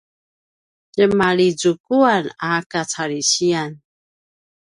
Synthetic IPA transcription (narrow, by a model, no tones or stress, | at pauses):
d͡ʒəmalid͡zukuanakat͡saɾiɕian